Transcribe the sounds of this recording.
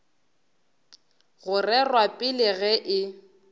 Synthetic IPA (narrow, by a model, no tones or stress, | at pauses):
ɣʊrɛrwapʼɪlɪɣɛʔɪ